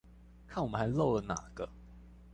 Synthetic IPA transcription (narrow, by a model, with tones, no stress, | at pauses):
kʰa˥˩nwɔ˨mə˦nxa˧˥ɪlo˥˨ʊlə˨na̰˨˩ɡ̥ə˦